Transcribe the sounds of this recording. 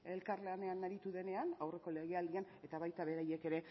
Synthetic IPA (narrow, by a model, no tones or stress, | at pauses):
e̞lkaɾleane̞anaɾit̪uðe̞ne̞anawre̞ko̞le̞ɣ̞e̞ald̪iane̞t̪aβajt̪aβe̞ɾaje̞ke̞ɾe̞